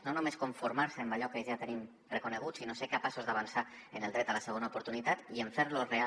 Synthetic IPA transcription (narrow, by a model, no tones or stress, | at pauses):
nonumeskuɱfuɾmaɾsəːmbaʎɔkəʒat̪ənim | rəkunəɣ̞ut͡ssːinoseɾkapasozd̪aβ̞ansa | ənəlˠd̪ɾɛt̪ələsəɣ̞onaupuɾt̪unit̪at̪iəɱfeɾlorea